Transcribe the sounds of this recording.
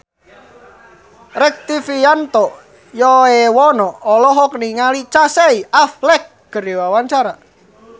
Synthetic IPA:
rɛk̚t̪ifiant̪ɔ | jɔewɔnɔːlɔɦɔkniŋalit͡ʃasɛiaflɛk̚ɡ̥ə̤ɾewawaɲt͡ʃaɾa

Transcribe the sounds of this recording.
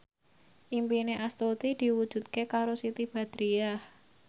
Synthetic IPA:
ʔimpineʔast̪ot̪id̪̥i̤wud̥ʒ̥ṳt̪̚kekaɾosit̪ib̥a̤d̪̥ɾiah

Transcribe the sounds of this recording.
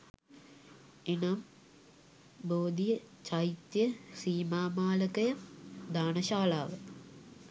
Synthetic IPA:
enam | boːd̪ijət͡ʃait̪jəsiːmaːmaːləkɐjɐd̪aːnɐɕaːlaːʋə

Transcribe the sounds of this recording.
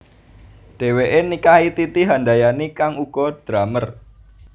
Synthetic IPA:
ɖ̥e̤weʔenikait̪it̪iɦandajanikaŋuɡ̥ɔd̪̥ɾamər

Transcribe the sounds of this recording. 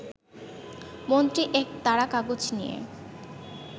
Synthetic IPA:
mont̪ɾiʔɛk̚t̪aɽakaɡod͡ʑnijḛ

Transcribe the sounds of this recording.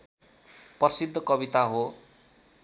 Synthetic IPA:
pʌʌsid̪ʱːʌkʌbit̪aɦo

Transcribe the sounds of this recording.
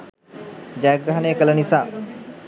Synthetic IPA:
d͡ʒaːɡɾaɦɐneːkələnisaː

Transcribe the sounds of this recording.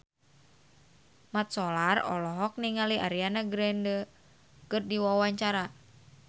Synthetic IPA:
mat̪̚sɔlarɔ̰lɔɦɔk̚niŋaliʔaɾianaɡɾɛndə | kɨrdiwawaɲt͡ʃaɾa

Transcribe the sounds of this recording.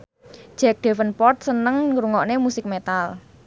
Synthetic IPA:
ʒ̥ɛk̚ɖ̥e̤fənpɔrt̪̚sənəŋɾuŋɔʔnemusɪk̚met̪al

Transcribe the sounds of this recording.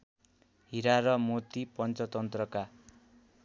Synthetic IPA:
ɦiɾaɾʌmot̪ipʌnt͡sʌt̪ʌnt̪rʌka

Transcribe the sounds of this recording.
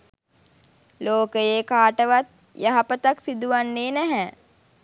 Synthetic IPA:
loːkəjeːkaːʈəʋat̪̚ | jaɦapət̪aksid̪uʋanːeːnɛɦɛ

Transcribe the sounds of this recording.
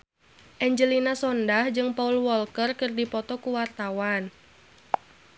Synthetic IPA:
ʔɛɲd͡ʒəlinasɔndahd͡ʒɨŋpaulwɔlkərkɨrdipɔt̪ɔkuwart̪awan

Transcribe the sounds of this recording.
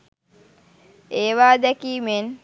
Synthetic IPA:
eːʋaːd̪ɛkiːmen

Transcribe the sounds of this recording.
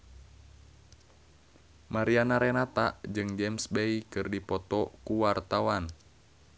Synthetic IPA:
maɾianaɾɛnat̪aʔd͡ʒɨŋd͡ʒɛmsbeikɨrdipɔt̪ɔkuwart̪awan

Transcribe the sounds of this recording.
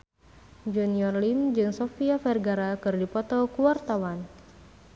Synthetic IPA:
d͡ʒuniɔrlimd͡ʒɨŋsɔfiafɛrɡaɾakɨrdipɔt̪ɔkuwart̪awan

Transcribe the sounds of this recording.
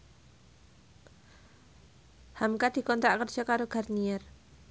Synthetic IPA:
hamkad̥i̤kɔnt̪ɾakərd͡ʒ̥akaɾoɡ̥a̤rniɛr

